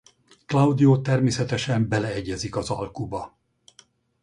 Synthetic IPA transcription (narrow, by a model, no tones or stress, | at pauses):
klɒwd̪ijoːt̪ɛrmeːsɛt̪ɛʃɛmbɛlɛɛɟːɛzikɒzɒ̰lkubɒ